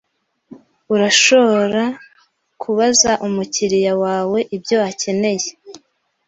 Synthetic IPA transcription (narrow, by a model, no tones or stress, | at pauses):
uɾaʃo̞βoɾa | kʰuβazaʔumuciɾijawaːwe̞ʔibjo̞ace̞ne̞je